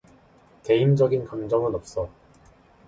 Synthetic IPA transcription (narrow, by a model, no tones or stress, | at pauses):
ke̞imd͡ʑʌɡinkaŋd͡ʑʌŋɯnʌp̚s͈ʌ